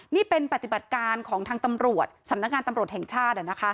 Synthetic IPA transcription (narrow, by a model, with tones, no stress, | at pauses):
niː˥˩pe˧npɾa˨˩t̪i˨˩ba˨˩t̪̚kaː˧nkʰɔː˩˦ŋt̪ʰaː˧ŋt̪a˧mɾu˨˩ət̪̚sa˨˩˦mna˦˥k̚ŋaː˧nt̪a˧mɾu˨˩ət̪hɛ˨˩ŋt͡ɕʰaː˥˩t̪̚ʔa˨˩na˦˥kʰa˦˥